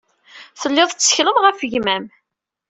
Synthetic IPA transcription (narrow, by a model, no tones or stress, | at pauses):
θəlːɪðˤt͡sːə̥çləmʁəfəʝmæm